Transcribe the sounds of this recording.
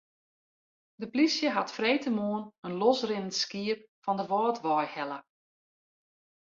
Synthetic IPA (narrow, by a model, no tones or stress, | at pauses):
dəplisjəɦatfreːjtəmoənənlɔsrɪnənskiəp̚ | fɔndəʋɔːtʋɔjhɛlˠə